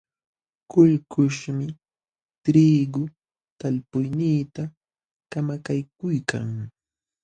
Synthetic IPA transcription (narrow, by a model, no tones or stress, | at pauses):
kʊʎkʊʃmɪ | t̪ɾiːɡʊ | t̪alpʊjniːt̪a | kamakajkʊjkʰa̰ŋ